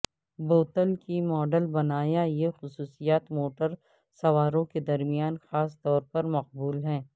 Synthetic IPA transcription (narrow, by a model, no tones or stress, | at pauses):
boːt̪əlkimɔːɖəlbɐnaːjajexʊsuːsijaːt̪moːʈəɾ | sɐʋaːɾõked̪ɐɾmijaːnxaːst̪ɔːɾpɐɾmɐq̚buːlɦɛ̃ː